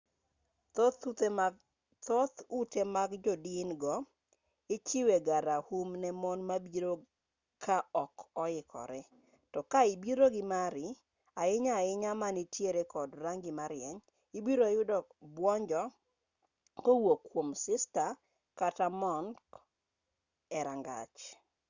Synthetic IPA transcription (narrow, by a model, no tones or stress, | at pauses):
t̪ɔt̪utemaɡd͡ʒɔdinɡɔ | ɪt͡ʃɪweɡaɾahumnɛmɔnmabiɾo | kʰaɔkɔɪkʰɔ̰ɾɛ | tɔkaɪbiɾoɡɪmaɾɪ | aɪɲaɪɲamanitjeɾekɔdɾaŋɡɪmaɾɪjɛɲ | ibiɾojʊdɔbwɔɲd͡ʒɔ | kowokːwomsɪsta | katamɔnk | ɛɾaŋɡa̰t͡ʃ